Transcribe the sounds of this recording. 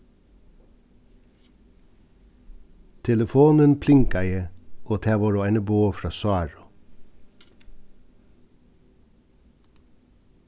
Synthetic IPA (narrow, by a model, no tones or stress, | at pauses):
t̪ʰɛləfoːnənpʰlɪŋkæɪəʔoːt̪ʰæːʋoːɾoːæɪnəboːfɾɑːsɑːɹʊ